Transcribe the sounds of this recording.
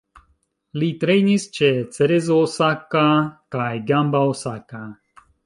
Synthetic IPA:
lit̪ɾejnist͡ʃet͡sɛɾezoːsakakajɡambaosaka

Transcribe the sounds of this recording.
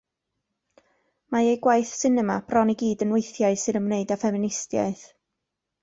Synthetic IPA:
maejɡwajθsɪnəmab̥rɔniɡiːdənweɨθjaɨsɨnəmneɨdafɛmɪnɪstja̰ɨθ

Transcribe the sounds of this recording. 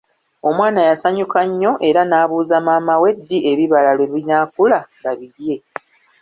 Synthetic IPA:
o̞mwaːnajasaɲukaɲːo̞ʔe̞ɾanaːβuːzamaːmawe̞dːiʔe̞βiβalalwe̞βiɲaːkulaβaβiɾje̞

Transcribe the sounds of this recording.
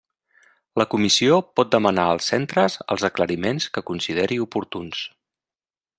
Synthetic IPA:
ləkumisiopɔt̪̚d̪əmənaəlˠsɛnt̪ɾəzə̰lˠzəkləɾimenskəkunsið̞eɾiupuɾt̪uns

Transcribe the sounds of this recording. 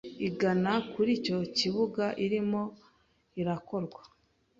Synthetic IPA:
iɡanakuɾiːco̞ciβuɡaʔiɾimo̞ | iɾako̞ɾɡwa

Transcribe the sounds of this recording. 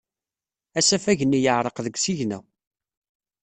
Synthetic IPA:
æsæfæʝənijəʕɾˤəqðəɡʷsiʝnæ̰

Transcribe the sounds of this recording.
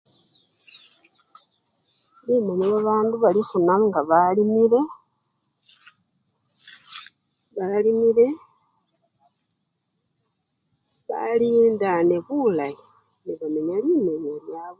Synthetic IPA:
limeɲeβaβaːnduβalifunaŋɡaβalimiɾe̞ | βalimiɾe̞ | βa̰liːndaneβulaji | niβameɲalime̞ɲeljaβ

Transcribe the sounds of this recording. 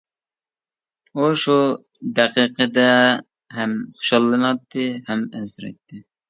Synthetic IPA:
uʃu | d̪ɛqiqʰəd̪ɛ | ɦɛmχo̥ʃɑlˠːɨnɑt̪ʰːɨhɛmɛnsɪɾɛ̰t̪ʰːɪ

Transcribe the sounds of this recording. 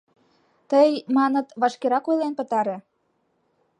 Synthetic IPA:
t̪əjmɑnə̆t̪βɑʃkeɾɑkojlenpə̆t̪ɑɾĕ

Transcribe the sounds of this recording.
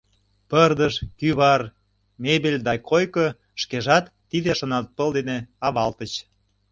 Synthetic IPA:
pərd̪əʃkyβɑr | mebelʲd̪ɑjkʰojko | ʃkeʒɑt̪ːid̪eʃə̆nɑt̪̚pə̆ld̪eneɑβɑlt̪ət͡ɕ

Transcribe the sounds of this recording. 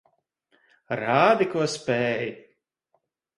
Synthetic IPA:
ɾaːd̪ikuɔspʲɛːj

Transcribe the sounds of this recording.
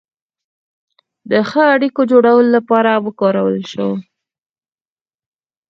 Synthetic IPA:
d̪əxəaɽikod͡ʒoɽawəlolapɑɾawəkɑɾawə̰lʃə̰w

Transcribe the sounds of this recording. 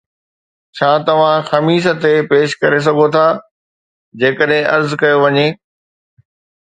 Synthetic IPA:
t͡ɕʰaːt̪ɐʋ̤ãxɐmiːʃ̬ə̆t̪epeːʃkɐɾes̬ɐɡʱot̪ʰaː | d͡ʑeːkəɗɦɪ̃ʔɐɾzkɐjoʋɐɲeː

